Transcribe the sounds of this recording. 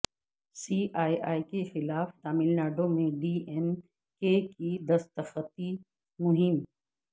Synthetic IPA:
siːʔaːiʔaːikexɪlaːft̪aːmɪlnaːɖõmẽɖiːɛn | keːkid̪ɐst̪əxət̪i | mʊɦɪm

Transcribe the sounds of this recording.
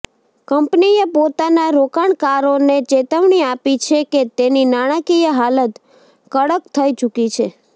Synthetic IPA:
kəmpniepot̪anaɾokaɳkaɾonet͡ʃet̪əʋɳiapit͡ʃʰeket̪eninaɽ̃əkijəɦalət̪ | kəɽəkt̪ʰəit͡ʃukit͡ʃʰe

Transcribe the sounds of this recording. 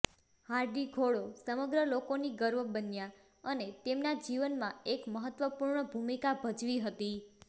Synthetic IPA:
haɾɖiɡʱoɭosəməɡɾəlokoniɡəɾʋəbənja | ənet̪emnad͡ʒiʋənmãekməɦət̪ʋəpuɾɳəbʱumikabʱəd͡ʒʋiɦət̪i

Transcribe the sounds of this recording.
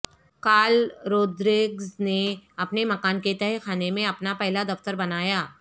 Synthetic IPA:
kaːlɾoːd̪ɾɪɡzneɐpnemɐkaːnket̪ɛɦɛkʰaːnemẽɐpnapɛɦlad̪ɐft̪əɾbɐnaːjaː

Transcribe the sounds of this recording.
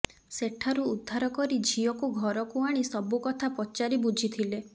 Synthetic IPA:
seʈʰːaɾuːd̪ʱːaɾɔkɔɾid͡ʒʱijɔkuɡʱɔɾɔkuaɽ̃isɔbukɔt̪ʰapɔt͡ʃaɾibud͡ʒʱit̪ʰile

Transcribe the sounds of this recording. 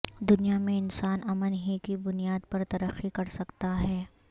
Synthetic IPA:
d̪ʊnijamẽɪnsaːnɐmənɦikibʊnijaːd̪̚pɐɾt̪ɐɾəxːikɐɾsɐkt̪aɦɛː

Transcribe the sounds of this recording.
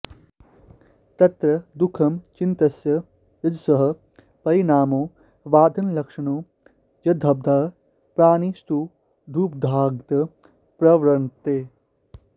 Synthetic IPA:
t̪ɐt̪ɾɐd̪ukʰɐmt͡ʃint̪ɐsjɐ | jɐd͡ʒsɐɦɐ̆ | pɐɾinaːmoː | ʋaːd̪ʱɐnlɐkʂɐnoː | jɐd̪ʱɐb̚d̪ʱaː | pɾaːnist̪u | d̪ʱuːp̚d̪ʱaːɡt̪ɐ | pɾɐʋɾɐnt̪eː

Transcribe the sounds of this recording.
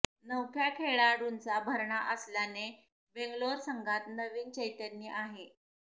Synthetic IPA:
nəwkʰjakʰeɭaɽunt͡sabʱəɾɳaʔəsljane | beŋɡloɾsəŋɡʱat̪nəʋiːnt͡ɕejt̪əɾnːiːʔaɦe

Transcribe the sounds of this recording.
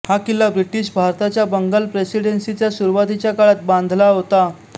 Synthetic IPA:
hakilabɾiʈiːɕbʱaɾt̪at͡ɕjabəŋɡəlpɾesiɽensit͡ɕjasuɾʋat̪it͡ɕjakaɭat̪̚bãnd̪ʱlaɦot̪a

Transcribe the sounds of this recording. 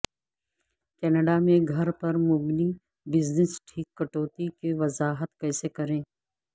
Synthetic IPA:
kɛːnəɖamẽɡʱɐɾpɐɾmʊbni | bɪznɪsʈʰiːkːɐʈoːt̪ikeʋɐzaːɦət̪kɛːsekɐɾẽː

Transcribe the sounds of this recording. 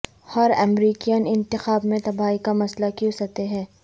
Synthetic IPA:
hɐɾɛmɾiːkijənɪ̃nt̪ɪxaːbmẽt̪ɐbaːikamɐslakjũsɐt̪eɦɛ̃ː

